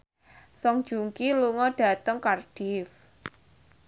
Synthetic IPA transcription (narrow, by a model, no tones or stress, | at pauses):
sɔŋd̥ʒ̥uŋkiluŋɔɖ̥ä̤t̪əŋkarɖ̥ɪf